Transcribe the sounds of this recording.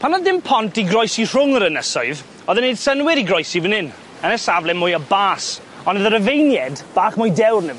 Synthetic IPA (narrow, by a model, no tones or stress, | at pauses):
pʰanɔðɪmpʰɔntiɡrɔjsir̥ʊŋəɾənəsɔɨv | ɔðənejd̥sənwɪɾiɡrɔjsivənɪn | ənəsavlɛmʊjəbaːs | ɔnəðəɾəvejnjɛdb̥aːχmʊjdɛwrnəv